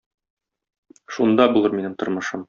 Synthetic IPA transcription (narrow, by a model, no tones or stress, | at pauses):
ʃund̪ɑbulˠɤɾminɘmt̪ŏɾmɤ̆ʃɤm